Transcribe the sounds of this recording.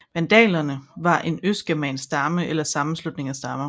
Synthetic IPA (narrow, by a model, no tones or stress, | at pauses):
ʋænd̥ɛ̰ːlɐnəʋɑ̈ʔe̝nøs̚ɡ̥æmɛ̰ːnsd̥ɑ̈məʔelɐsɑ̈mn̩slud̥ne̝ŋæsd̥ɑ̈mɐ